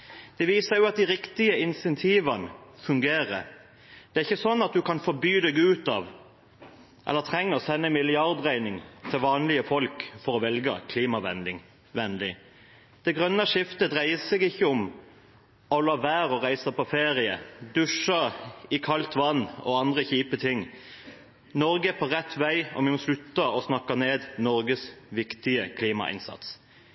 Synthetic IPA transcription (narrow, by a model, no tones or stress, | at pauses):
d̪̥ɛʋiːsəjʊɑt̪̚d̪ɪɾɪkt̪ɪəɪnsɛnt̪ʰiːʋɑnəfʉŋɡeːʁə̰ | d̪̥ɛæɾɪçːəsɔnːɑt̪̚d̪ʉkɑnfɔbyːd̪ɛɡʉːt̪ɑʋ | ʔɛ̰lːət̪ʰʁɛŋːəsɛnːəmɪlɪɑʁd̪ʁæɪnɪŋt̪ʰɪlʋɑːnlɪəfɔlkfɔɾɔʋɛlɡəkʰliːmɑʋɛ̰nd̪ɪŋ | ʋɛnlɪ | d̪̥ɛɡʁœnːɑʂɪft̪əd̪ʁæɪəsɛɡɪçːəʊm | ɔlɑːʋæːʁɔʁæɪsəpɔfeːʁɪəd̪ʉʂəɾɪkʰɑlt̪ʋɑnːɔ̰ɑnd̪ʁəçiːpət̪ʰɪŋ | nɔɾɡəpʰɔʁɛt̪ːʋæɪɔ̰mɪmɔslʉt̪ːəɔsnɑkːɑneːd̪nɔɾɡəsʋɪkt̪ɪəkʰliːmɑ̰ʔɪ̰nsɑ̰t̪s